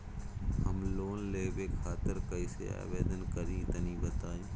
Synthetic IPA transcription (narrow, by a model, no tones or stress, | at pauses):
həmloːnleːbeːkʰaːt̪ɪɾkəisḛa̰ːʋeːd̪ənkəɾĩːt̪ənĩːbət̪aːĩː